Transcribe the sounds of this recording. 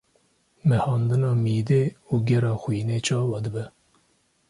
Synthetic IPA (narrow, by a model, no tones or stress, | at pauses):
mɛhɑːnd̪ɨnɑːmiːd̪eːuːɡʲɛɾɑːxwiːneːt͡ʃʰɑːwɑːd̪əbɛ